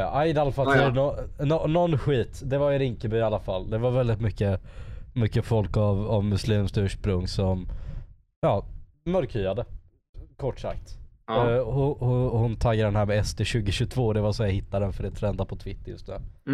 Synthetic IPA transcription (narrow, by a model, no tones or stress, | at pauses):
ʔajɪd̪ɛalafalʰɛnɔnɔnɔnːɧiːt̪d̪ɛvaɾjɾɪŋkəbʏalːafalːd̪ɛvaɾvɛld̪ɪt̪mʏkːəmʏkːəfɔlkavavmɵsliːmst̪ʉːʂpɾɵŋːsɔm | jɑː | mœɾkhyːad̪ə | kʰɔʈːʂa̰kt̪ | hʊhʊhʊnt̪ʰaɡːad̪ɛnhæːɾmɛɛst̪eɕʉ̟ːɡɪɕɵt̪ʰvoːd̪ɛvasɔmjahɪt̪ːad̪ɛnfœɖɛt̪ʰɾɛnd̪apʰɔt̪ʰvɪt̪ːjɵ̰st̪nʉ̟̰ː